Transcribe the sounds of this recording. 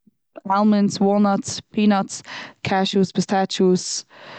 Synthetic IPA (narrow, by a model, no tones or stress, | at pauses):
ɛlˠmənswɔnɔtspʰinɔtskʰaʃusbɪstʰat͡ʃus